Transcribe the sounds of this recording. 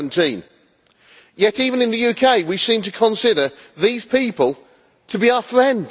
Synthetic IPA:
ntʰĩn | jɛtiːvə̃nɨ̃nðəjʉkʰeɪwisĩmtʰəkʰə̃nsɪɾə | ðiz̥pʰiˑpəlˠ | tʰəbiaʊəfɹɛ̃nd

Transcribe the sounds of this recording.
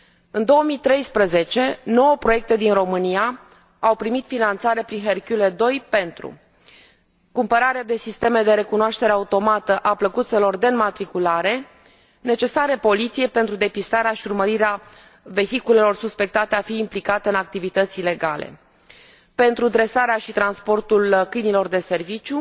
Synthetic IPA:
ɨnd̪o̞wəmit̪ɾe̞jspɾəze̞t͡ʃe̞no̞wəpɾo̞je̞k̚t̪e̞d̪inro̞mɨnia | awpɾimit̪finant̪saɾepɾinɦerkuled̪o̞jpe̞nt̪ɾṵ | kumpəɾaɾead̪e̞sist̪e̞me̞d̪e̞ɾe̞kunoaʃt̪e̞ɾeaut̪o̞mat̪əʔapləkut̪se̞lo̞rd̪e̞nmat̪ɾikulaɾe̞ | ne̞t͡ʃe̞saɾe̞po̞lit̪sije̞jpe̞nt̪ɾud̪e̞pist̪aɾeaʃiurməɾiɾea | ve̞çikule̞lo̞rsuspe̞k̚t̪at̪e̞afiːmplikat̪e̞ɨnak̚t̪ivit̪ət̪sile̞ɡalḛ | pe̞nt̪ɾud̪ɾe̞saɾeaʃit̪ɾanspo̞rt̪ulkɨjnilo̞rd̪e̞se̞rvit͡ʃju

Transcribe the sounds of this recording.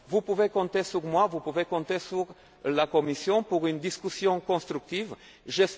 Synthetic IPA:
vupuvekɔ̃t̪esyʁmwavupuvekɔ̃t̪esyʁ | lakomisjɔ̃puʁynd̪iskysjɔ̃kɔ̃st̪ʁyk̚t̪iv | ʒɛs

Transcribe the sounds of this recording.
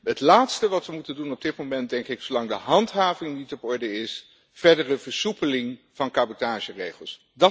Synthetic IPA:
ɦətlaːtstəʋɑtʋəmutəndunɔb̚dɪt̚momɛnt̚dɛŋkɪksolɑŋdəɦɑntɦaːvɪŋnitɔpɔɹdəɪs | v̥ɛɹdərəv̥əɹsupəlɪŋ | v̥ɑnkaːbotaːʒərejχəlˠs | dɑ

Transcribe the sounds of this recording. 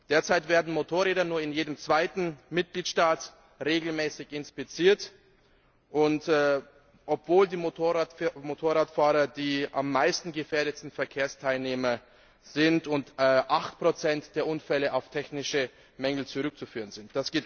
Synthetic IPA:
d̥eːɐt͡saɪtv̥eːɐdn̩motʰoːɐʁeːdɐnuːɐɪnjeːdəmt͡sv̥aɪtn̩mɪt̚ɡ̥liːtʃtaːt | ʁeːɡl̩mɛːsɪçɪnspɪt͡siːɐt | ʔʊntː | ʔɔpv̥oːldiːmotʰoʁmotʰoːʁaːtfaːʁɐdiːʔa̰mːaɪstn̩ɡəfeːɐɾəsn̩fɛɐkʰeːɐstʰaɪlneːmɐ | z̥ɪntʊntːʔaχtpʁ̥ot͡sɛntd̥eːɐʔʊnfɛləʔaʊftʰɛçnɪʃə | mɛŋl̩t͡suʁʏk̚t͡sufyːʁənzɪnt̚d̥asɡ̥eːt

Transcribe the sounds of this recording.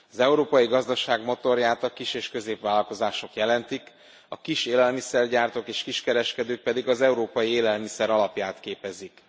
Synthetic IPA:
ɒzɛuɾoːpɒjiɡɒzd̪ɒʃaːɡmo̞t̪o̞rjaːt̪ɒkiʃeːʃkø̞zeːpʋaːlɒlko̞zaːʃo̞kjɛlɛnt̪ik | ɒkiʃeːlɛlmisɛrɟaːrt̪okeːʃkiʃkɛɾɛʃkɛd̪øːk̚pɛd̪iɡɒzɛuɾoːpɒjieːlɛlmisɛɾɒlɒpjaːt̪keːpɛzik

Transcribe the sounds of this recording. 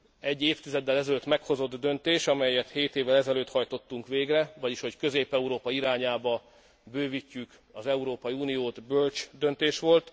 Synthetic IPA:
ɛɟːeːft̪izɛd̪ːɛlɛzɛløt̪ːmɛkho̞zo̞d̪ːø̞nt̪eːʃɒmɛjːɛt̪heːt̪eːvːɛlɛzɛløːt̪hɒjt̪o̞t̪ːuŋkʋeːɡrɛvɒɟiʃho̞ckø̞zeːpɛuɾoːpɒiɾaːɲaːbɒ | bøːvicːyk | ɒzɛuɾoːpɒjiuːnijoːt̪bølt͡ʃd̪ø̞nt̪eːʃʋo̞lt̪

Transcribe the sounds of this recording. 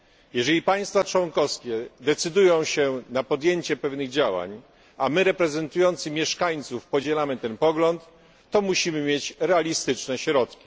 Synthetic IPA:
jɛʐɛlʲipaj̃st̪fat͡ʂwɔŋkɔfskʲɛd̪ɛt̪sɘd̪ujɔ̃w̃ɕɛnapɔd̪ʲjeɲt͡ɕɛpɛvnɘɣd͡ʑawa̰ɲ | ʔamɘɾɛpɾɛzɛnt̪ujɔnt̪sɘmʲjɛʂkaɲt̪sufpɔd͡ʑɛlamɘt̪ɛnpɔɡlɔnt̪ː | ɔmuɕimɘmʲjet͡ɕɾɛalʲist̪ɘt͡ʂnɛɕɾɔt̪kʲi̥

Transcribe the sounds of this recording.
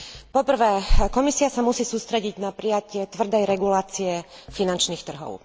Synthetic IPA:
pɔpr̩ʋɛːkɔmisiasamusiːsuːst̪ɾɛɟiɟnapɾijacɪɛt̪ʋr̩d̪ɛjɾɛɡulaːt͡siɛfinant͡ʃniːxt̪r̩ɦɔ̰ʊ

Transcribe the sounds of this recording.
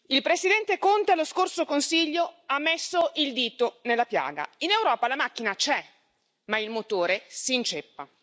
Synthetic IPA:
ilpɾesid̪ɛnt̪ekont̪ealoskorsokonsiʎːoamːesːoʔild̪iːt̪onelːapja̰ːɡa̰inewɾɔːpalamak̟ːinat͡ʃɛ | mailmot̪oːɾesiːnt͡ʃepːa

